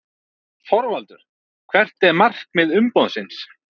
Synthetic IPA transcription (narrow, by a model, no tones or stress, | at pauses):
fɔɾvalt̪ʏɾ̥ | kʰvɛr̥t̪ɛɾmar̥kmɪðʏmpowðsɪns